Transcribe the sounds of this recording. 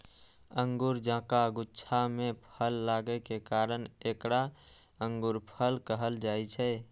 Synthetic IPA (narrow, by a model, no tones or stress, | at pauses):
əŋɡuɾd͡ʒãːkaɡutːt͡ʃʰamẽpʰəlːaɡɛkekaɾənekɾa | əŋɡuɾpʰəlkəɦəld͡ʒaɛt͡ʃʰɛ